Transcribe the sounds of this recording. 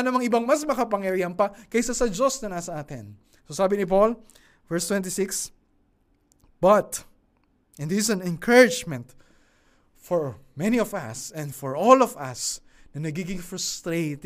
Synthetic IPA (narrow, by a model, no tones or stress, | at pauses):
nɐmɐŋɪbaŋmɐsmɐkɐpɐŋjɐɾijɐmpɐkɐjsasɐd͡ʒo̞snɐnɐsɐʔaːt̪ɪ̰n | sosaːbɪnɪp̬ol | vɛɹst̪wɛ̃nt̪isɪks | b̥ɐt̪ | ʔɛ̃nisɐnɛ̃nkʰɛɹɪd͡ʒmɛ̃nt̪ | fɔɹmɛniɔvɐ̰sɛ̃nd̪fɔɹʔolɔvɐ̰snɐnɐɡiːɡɪŋfɹʊst̪ɾejt̪